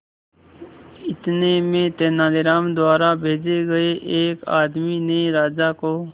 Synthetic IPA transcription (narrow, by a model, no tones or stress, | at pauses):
ɪt̪neːmẽːt̪eːnaːleɾaːmd̪ʊwaːɾaːbʱeːd͡ʒeːɡəeːʔeːka̰ːd̪miːnəeeɾaːd͡ʒaːkoː